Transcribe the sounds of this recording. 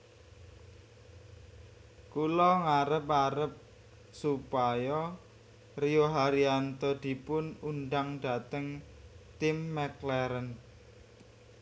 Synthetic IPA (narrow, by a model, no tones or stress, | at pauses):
kulɔŋaɾəpaɾəp̚ | supajɔ | rijoɦaɾiant̪ɔd̪̥i̤pʊnunɖ̪aŋɖa̤t̪əŋ | t̪ɪmːɛklɛɾən